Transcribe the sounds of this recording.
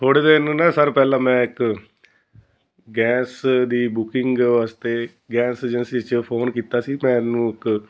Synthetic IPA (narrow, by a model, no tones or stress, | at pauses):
t̪ʰoːɽeːd̪eːnũːnaːsəɾpɛːlãːmɛ̃ːɪk | ɡɛːsd̪iːbʊkɪŋɡʋaːst̪eː | ɡɛːseːd͡ʒənsiːt͡ʃpʰoːnkiːt̪aːsiːmɛ̃ːnũːɪk